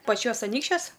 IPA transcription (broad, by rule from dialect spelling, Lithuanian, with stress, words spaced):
pɐˈt͡ʃʲuɔs ɐˈnʲiːkʃʲt͡ʃʲuɔs